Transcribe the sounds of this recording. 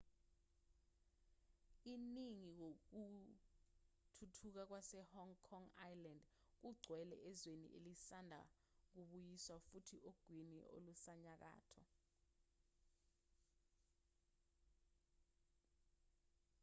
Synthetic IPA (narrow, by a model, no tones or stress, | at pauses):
iniŋik̬ok̬u | tʰutʰuk̬ak̬wasɛhɔŋkʰɔŋajland | k̬uɡ͡ǀʱwɛlɛ̰ʔɛzwenḭʔelisandʱa̰ | k̬uɓujiswafutʰiʔoɡ̥ʱwinḭʔo̰lusaɲak̬a̰ːtʰɔ